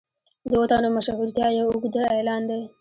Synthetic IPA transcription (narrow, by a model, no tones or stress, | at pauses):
d̪əwat̪ɑnomaʃaɦuɾt̪jɑjeʊɡd̪əelɑnd̪e